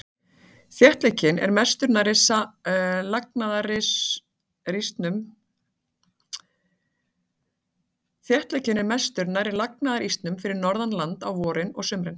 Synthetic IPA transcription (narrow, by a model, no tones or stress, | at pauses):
θjɛht̪lɛcːɪnɛ̰ɾmɛst̪ʏɾnaɾɪsalak̚naðaɾɪs | rist̪nʏm | θjɛht̪lɛcːɪnɛɾmɛst̪ʏɾnaɾɪlak̚naðaɾist̪nʏmfɪɾɪɾnɔɾðanlant̪awvɔːɾɪnɔɣsʏmɾɪn